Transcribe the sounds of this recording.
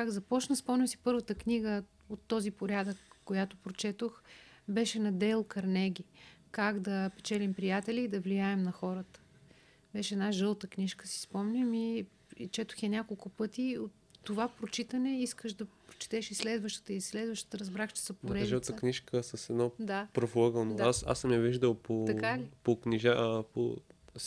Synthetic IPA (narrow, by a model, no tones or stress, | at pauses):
kaɡzɐpɔt͡ʃnəspɔmnʲəsi̥pɤɾvət̪əknʲiɡə | ot̪ːɔzipoɾʲad̪əkːojat̪opɾot͡ʃɛt̪oxbɛʃɛnɐd̪ɛlˠkɐɾnɛɡʲikaɡd̪ɐpɛt͡ʃɛlʲimpɾijat̪ɛlʲiːd̪ɐvlijaɛmnɐxɔɾət̪ə̥ | bɛʃɛd̪naʒɤlˠt̪əkniʃkəsi̥spɔmnʲəmi | t͡ʃɛt̪ʊ̥xɛnʲakolˠkʊpɤt̪iot̪ːovapɾot͡ʃit̪ɐnɛiskəʃd̪ɐpɾot͡ʃi̥t̪ɛʃislɛd̪vəʃt̪ə̥t̪əisːlɛd̪vəʃt̪ə̥t̪əɾɐzbɾaxt͡ʃɛ̥səpoɾɛʒəlˠt̪əkniʃkəsəsɛd̪nɔd̪apɾovˠoɡəndoasa̰smjɛviʒd̪əlˠpokalipokniʒapo̰